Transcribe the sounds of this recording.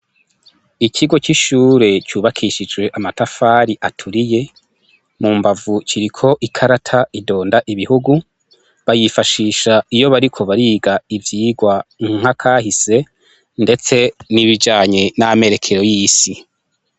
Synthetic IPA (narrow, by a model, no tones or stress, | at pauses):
icʰiɡo̞t͡ʃiʃuːɾe̞cuːβakʰiʃid͡ʒɡwe̞ʔamatafaːɾiʔatʰuɾije̞ | muːmbavut͡ʃiɾikʰo̞ʔikʰaɾatʰaido̞ːndaʔiβihuɡu | βajifaʃiːʃaijo̞βaɾikʰo̞βaɾiːɡaivjiːɡwaŋŋ̥akʰaːɦise̞ | nde̞t͡se̞niβid͡ʒaːɲe̞name̞ɾe̞kʰe̞ɾo̞jiːsi